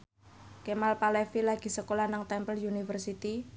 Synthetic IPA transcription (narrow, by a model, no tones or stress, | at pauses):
kemalpalɛfilaɡ̥i̤səkolanaŋt̪ɛmpəljunifərsit̪i